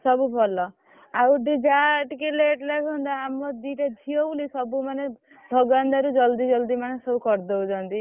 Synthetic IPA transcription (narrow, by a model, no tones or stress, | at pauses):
sɔbubʱɔlɔ | awʈid͡ʒaʈikeleʈlasɦɔ̃nd̪aamɔd̪iʈad͡ʒʱiɔwlisɔbumane | d̪ʱɔɡand̪aɾud͡ʒɔld̪id͡ʒɔld̪imanesɔbukɔɾd̪owd͡ʒɔnt̪i